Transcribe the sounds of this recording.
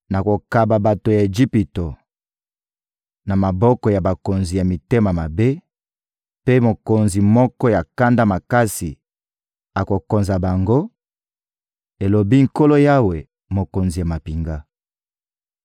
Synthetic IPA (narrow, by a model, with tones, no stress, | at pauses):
na˨ko˨ka˨ba˨ba˨to˨ja˨e˨d͡ʒi˦pi˨to˨ | na˨ma˨bɔ˦kɔ˨ja˨ba˨ko˨nzi˨ja˨mi˨te˦ma˨ma˨be˦ | pe˦mo˨ko˨nzi˨mɔ˦kɔ˦ja˨ka˦nda˦ma˨ka˦si˨ | a˨ko˨ko˨nza˨ba˨ŋɡo˦ | e˨lo˨bi˦ŋ̩˨ko˦lo˦ja˦we˨ | mo˨ko˨nzi˨ja˨ma˨pi˨ŋɡa˦